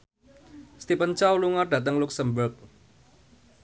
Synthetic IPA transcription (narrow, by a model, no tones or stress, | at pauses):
st̪ipənt͡ʃawluŋarɖ̥ä̤t̪əŋluksəmbərk̚